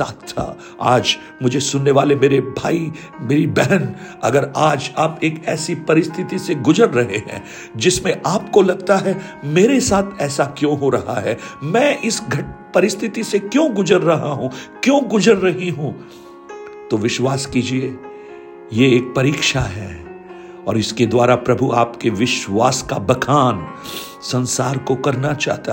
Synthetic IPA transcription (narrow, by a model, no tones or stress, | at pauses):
a̰ːt̪ʰːa̰ | a̰ːd͡ʒ | mʊd͡ʒʱesʊnːeʋaːlemeːɾebʱaːi | meːɾibɛɦɛnɐɡəɾaːd͡ʒaːpeːkɛːsipɐɾɪst̪ʰɪt̪iseɡʊzəɾːɐɦeɦɛ̰̃ː | d͡ʒɪsmẽʔaːp̚kolɐɡt̪aɦɛmeːɾesaːt̪ʰɛːsakjõːɦoɾɐɦaɦɛːmɛ̃ːʔɪsɡʱɐpɐɾɪst̪ʰɪt̪isekjõːɡʊd͡ʒəɾːɐɦaɦũkjõːɡʊzəɾːɐɦiɦũ | t̪oʋɪʃwaːskiːd͡ʒie | jeeːk̚pɐɾiːkʃaɦɛ̰ː | ɔ̰ːɾɪsked̪waːɾapɾɐbʱuaːpkeʋɪʃwaːskabɐkʰaːn | sɐ̃nsaːɾkokɐɾnat͡ʃa̰ːɦt̪a